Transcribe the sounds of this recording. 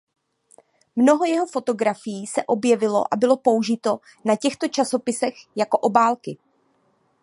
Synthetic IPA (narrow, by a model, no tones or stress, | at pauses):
mno̞ɦo̞jɛɦo̞fo̞t̪o̞ɡɾafɪjiːsɛʔo̞bjɛvɪlo̞̰ʔabɪlo̞po̞uʒɪt̪o̞ | nacɛxt̪o̞t͡ʃaso̞pɪsɛxjako̞ʔobaːlkɪ